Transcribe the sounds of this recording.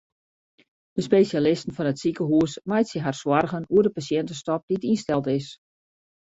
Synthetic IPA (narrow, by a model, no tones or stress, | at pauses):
dəspeːsjalɪstən̩fɔnətsikəɦuəsmajtsɪɦarswɔrɣənuədəpasjɛntəstɔp̚d̥itinstɛlˠtɪs